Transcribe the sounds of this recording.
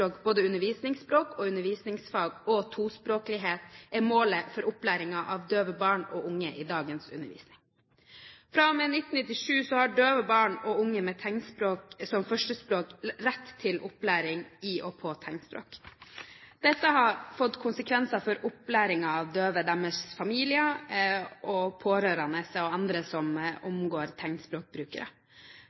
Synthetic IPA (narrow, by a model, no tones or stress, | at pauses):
oːkboːd̪əʉnəʋiːsnɪŋspɾoːkɔʉnəʋiːsnɪŋsfɑːɡɔt̪ʰuːspɾoːklɪɦeːt̪ɛmoːləfɔɾʔʊplæːɾɪŋɑʔɑʋd̪øːʋəbɑːɳɔʔʊŋːəʔɪd̪ɑːɡənsʉ̰nːə̰ʋḭːsnɪŋ | fɾɑmenɪt̪n̩nɪt̪ːɪʂʉːsɔhɑɖøːʋəbɑːɳɔʊŋːəmɛt̪ʰæŋspɾoːksɔmfœʂʈəspɾoːkɾɛt̪ʰːɪlʔʊplæːɾɪŋɪʔɔpʰɔːt̪ʰɛŋspɾo̰ːk | d̪̥ɛt̪ːəɦɑɾfɔt̪ːkʰʊnsəkʰʋɛnsɑfɔɾʊplæːɾɪŋɑːʋd̪øːʋəd̪æməsfɑmiːlɪə | ʔɔpʰoːɾøːɾɑnəsɔɑnd̪ɾəsɔmʊmɡoːɾt̪ʰɛŋt̪spɾoːk̚bɾʉːkə̰ɾə̰